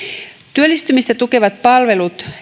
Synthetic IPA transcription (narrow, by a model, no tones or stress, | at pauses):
t̪yølːist̪ymist̪æt̪uke̞ʋɑt̪̚pɑlʋe̞lut̪